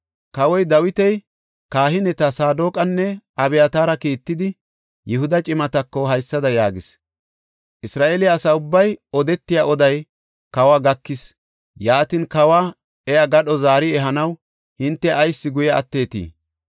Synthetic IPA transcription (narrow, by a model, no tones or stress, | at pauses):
kɐwɔjd̪ɐwɪt̪ɛj | kaːɦɪnɛt̪ɐsaːd̪o̞ːkʼɐnːɛɐbɛjat̪aːɾɐkiːt̪ːɪd̪ɪ | jɛɦʊd̪ɐt͡ʃʼɪmɐt̪ɐkːɔɦɐjsːɐd̪ɐjaːɡɪs | ʔɪsɾaːʔeːlɪaːsɐʊbːɐjɔd̪ɛt̪ːɪjaʔɔd̪ɐj | kɐwaːɡɐkːɪs | jaːt̪ɪnkɐwaː | ɛjɐɡɐɗɔzaːɾɪɛɦɐnɐw | hɪnt̪ːɛʔɐjsːɪɡʊjɐɐ̰t̪ːe̞ːt̪ḭː